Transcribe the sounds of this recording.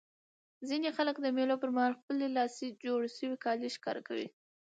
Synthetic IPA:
zinexaləkd̪əmelopəɾmahɑlxpəlelɑsed͡ʒoɽʃəwikɑleʃkɑ̰ɾʔakawḭ

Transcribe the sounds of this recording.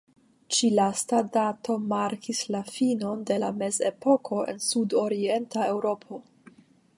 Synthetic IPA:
t͡ʃilastadato̞maɾkʰislafino̞nde̞lame̞ze̞po̞kʰo̞ʔe̞̰nsudo̞ɾie̞ntae̞wɾo̞pʰo̞

